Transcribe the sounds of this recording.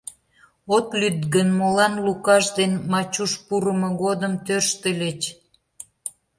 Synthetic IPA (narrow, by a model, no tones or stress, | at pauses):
ot̪lyd̪ɡənmolɑnlukɑʃd̪enmɑt͡ɕuʃpuɾəmə̆ɣod̪əmt̪ørʃt̪əlʲet͡ɕ